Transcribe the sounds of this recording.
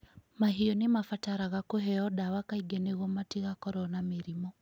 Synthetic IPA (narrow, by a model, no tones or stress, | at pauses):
maɦiɔnemafataɾaɣakoɦɛɔdawakaiɡɛneɣɔmatiɣakɔɾɔnameɾimɔ